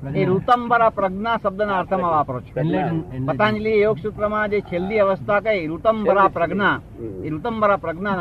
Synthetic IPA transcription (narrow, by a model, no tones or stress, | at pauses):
eɾut̪ɐmbɐɾaːpɾɐɡɳaːsɐb̚d̪ɐnaːɾt̪ʰɐmɐʋaːpː | pɐt̪ãːnd͡ʒlijoːksut̪ɾɐmaːd͡ʒet͡ʃʰeld̪iɐʋɐst̪ʰaːkɐjɾut̪ɐmbʱɐɾaːpɾɐɡɳa | eɾut̪ɐmbʱɐɾaːpɾɐɡɳa